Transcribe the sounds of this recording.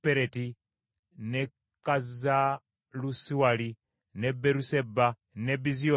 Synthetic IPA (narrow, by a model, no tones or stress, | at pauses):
peɾeti | ne | kaza | lusiwali | nebeɾuseba | nebizio